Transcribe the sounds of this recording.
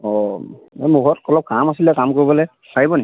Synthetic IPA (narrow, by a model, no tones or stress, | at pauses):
ɔ | ɛmuɡɔtkɔlɔp̚kamasilɛkamkoɹibɔlɛ | saibɔni